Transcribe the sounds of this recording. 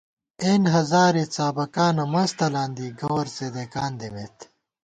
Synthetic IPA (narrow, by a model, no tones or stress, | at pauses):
eːnɦɐzaːɾit͡saːbɐkaːnɐmɐst̪ɐlaːnd̪iːɡɐwɐɾsed̪ekaːnd̪emet̪